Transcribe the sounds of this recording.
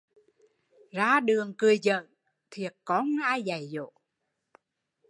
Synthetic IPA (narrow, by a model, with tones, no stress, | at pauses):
zaː˧ɗɨ˨˩əŋkɨ˨˩əjzə̰ː˧˨n | t̪ʰi˨˩ət̚kɔ˨˦nhaː˧jza˨˩jzo̰˧˨